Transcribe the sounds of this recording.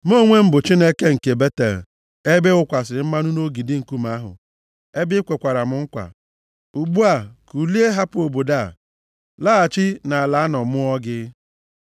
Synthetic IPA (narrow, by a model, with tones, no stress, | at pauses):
m˦o˦˨ŋʷe˦m̩˦bʊ˨t͡ʃi˦ne˦ke˦ŋ̩˨ke˨be˦te˨l̩˨ | e˦be˦ʊ˦kʷa˨sɪ˨˦m̩˦ma˦nʊ˦no˦ɡi˨di˦ŋ̩˨ku˦m̩a˦ɦʊ̰˨ | e˦bɪ˦kʷe˨kʷa˨ɾa˨mʊ˨ŋ̩˦kʷa̰˨ | u˨ɡ͡bu˦a˨ku˨li˦e˦ɦa˦pʊ˦o˨bo˨da˦˨ | la˦a˨t͡ʃɪ˦na˨a˨la˨˦nɔ˨mʊ˦ɔ˦ɡɪ˦